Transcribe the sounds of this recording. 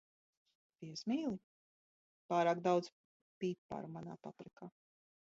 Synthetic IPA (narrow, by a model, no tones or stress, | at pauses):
viɛsmiːlˠi | paːɾaːkd̪awd̪z | piːpa̰ːɾumana̰ːpa̰pɾɛkaː